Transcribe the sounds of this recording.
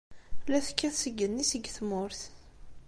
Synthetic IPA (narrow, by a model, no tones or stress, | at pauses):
læθkːæθsəɡːənːisəɡθmʊɾθ